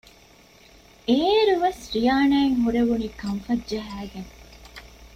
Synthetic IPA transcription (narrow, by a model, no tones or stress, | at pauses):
eːɾuʋesɾijaːnæːeŋɦuɾeʋuniːkɐɱfɐdʒɐɦæːɡeŋ